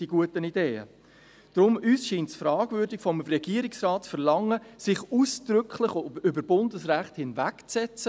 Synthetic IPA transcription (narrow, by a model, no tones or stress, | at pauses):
d̥iɡ̥uətənideːə̰ | d̥ɾʊmyːsʃiːntsfɾɑːɡvʏɾdɪɡ̥fɔmrɛɡ̥iəɾɪksrɑːtt͡sfəɾlɑŋːəsɪχuːsd̥ɾʏkʰlɪχʏbəɾbʊndəsʁæχthɪnvækt͡sɛt͡sə